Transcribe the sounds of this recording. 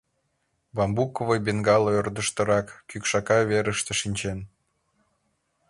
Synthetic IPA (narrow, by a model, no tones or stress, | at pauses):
βɑmbukovəjbenɡɑloørd̪əʃt̪ə̆ɾɑkːykʃɑkɑβeɾəʃt̪ĕʃinʲt͡ɕen